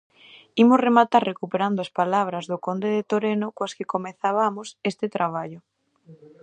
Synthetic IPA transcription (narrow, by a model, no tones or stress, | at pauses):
imʊsremat̪aɾrekupeɾand̪oaspalaβ̞ɾɐzðʊkond̪eðet̪oɾenokwaskɪkomeθaβamʊsest̪ɪt̪ɾaβ̞aʎʊ